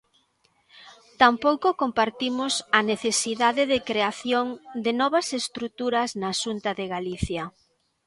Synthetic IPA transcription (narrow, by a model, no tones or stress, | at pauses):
t̪ampowkokompaɾt̪imʊsɐneθesiðaðɪðɪkɾeaθjoŋd̪ɪnɔβɐsest̪ɾut̪uɾɐznaʃunt̪ɐðɪɣaliθja